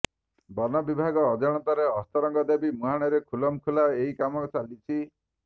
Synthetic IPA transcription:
bɔnɔbibʱaɡɔːd͡ʒɔɽ̃ɔt̪aɾeɔst̪ɔɾɔŋɡɔd̪ebimuɦaɽ̃ɔɾekʰulɔmkʰulaeɦikamɔt͡ʃalit͡ʃʰi

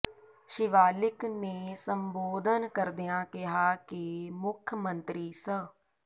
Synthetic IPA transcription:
ʃɪʋaːlɪknesəmboːd̪ʱənkəɾd̪ijãːkɪɦaːkeːmʊkʰːjəmə̃nt̪ɾiːsə

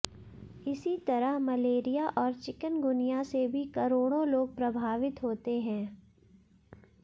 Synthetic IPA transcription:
ɪsit̪ɐɾəɦmɐleːɾijaʔɔːɾt͡ʃɪkənɡʊnijasebʱikɐɾoːɽ̃õloːɡ̚pɾɐbʱaːʋɪt̪ɦoːt̪eɦɛ̃ː

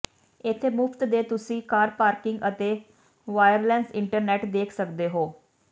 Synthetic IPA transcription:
ɪt̪ʰːeːmʊpʰt̪d̪eːt̪ʊsĩːkaːɾpaːɾkɪŋɡət̪eː | ʋaːjəɾlɛːnsɪɳʈəɾnɛːʈd̪eːkʰsəkd̪eːɦoː

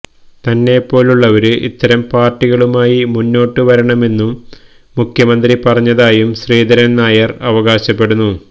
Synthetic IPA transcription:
t̪ɐnːe̞pːo̞ːluɭːɐʋɐɾɨʔḭt̪ːɐɾɐmpaːrʈːiɣɐɭumaːjimunːo̞ːʈːɨʋɐɾɐɳɐme̞nːumː | ukʰjɐmɐnd̪ripɐrɐɲːɐðaːjumɕriːd̪ɐɾɐnnaːjɐrɐʋɐɣaːɕɐpːe̞ɽunːu

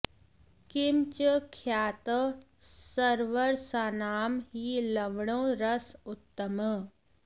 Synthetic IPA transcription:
kɪmt͡ʃəkʰjaːt̪ə | səɾʋəɾsaːnaːmɦiləʋɽõːɾəsʊt̪ːəmə

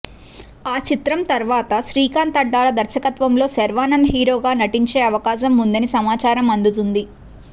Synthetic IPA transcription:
aːt͡ʃit̪ɾɐmt̪ɐɾʋaːt̪ɐʃɾiːkaːnt̪ɐɖːaːlɐd̪ɐɾsɐkɐt̪ʋɐmlo̞ːsɐɾʋaːnɐnd̪ɐɦiːɾo̞ːɡaːnɐʈiɲt͡ʃe̞ːɐʋɐkaːʃɐmːund̪ɐnisɐmaːt͡ʃaːɾɐmɐnd̪ut̪und̪i

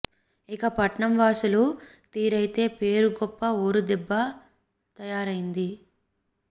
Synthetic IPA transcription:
ikɐpɐʈɳɐmʋaːsulu | t̪iːɾɐjit̪e̞ːpe̞ːɾuɡɔpːɐoːɾud̪ɛbːɐ | t̪ɐjaːɾɐjind̪i

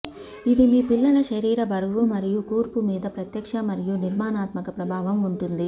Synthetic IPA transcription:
id̪imiːpilːɐlɐʃɐɾiːɾɐbɐɾʋumɐɾijukuːɾpumiːd̪ɐpɾɐt̪jɐkʂɐmɐɾijuniɾmaːnaːt̪mɐkɐpɾɐbʱaːʋɐmuɳʈund̪i

